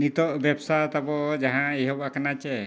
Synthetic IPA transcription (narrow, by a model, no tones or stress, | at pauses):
nit̪ɔʔbɛbsat̪abɔd͡ʒaɦãiɦɔbakanat͡ʃɛ